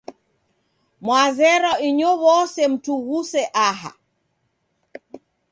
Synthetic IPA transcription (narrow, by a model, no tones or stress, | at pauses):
mwazɛɾɔiɲɔwɔsɛm̩tuɣusɛʔaɦa̰